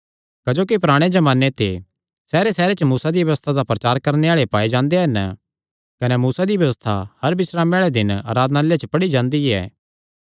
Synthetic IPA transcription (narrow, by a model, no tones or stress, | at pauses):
kɐd͡ʒoːk̬ipɾaːɽ̃ed͡ʒɐmaːnːet̪ḛ | sɛːɾesɛːɾet͡ʃəmuːsad̪iʋjɐʋəst̪ʰad̪apɾɐt͡ʃaːɾkɐɾneaːɭepaːed͡ʒãːnd̪eɦɐnə | kɐnɛmuːsad̪iʋjɐʋəst̪ʰa̰hɐɾbɪsɾaːmeaːɭed̪ɪna̰ːɾaːd̪naljet͡ʃəpɐɽid͡ʒãːnd̪iɛ̰ː